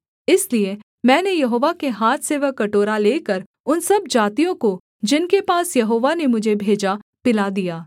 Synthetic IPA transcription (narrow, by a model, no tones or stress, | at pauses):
ɪslie | mɛ̃ːnejɐɦoːʋakeɦaːt̪ʰseːʋəkːɐʈoːɾaleːkəɾ | ʊnsɐbd͡ʒaːt̪ijõko | d͡ʒɪnkepaːsjɐɦoːʋanemʊd͡ʒʱebʱeːd͡ʒapɪlad̪ijaː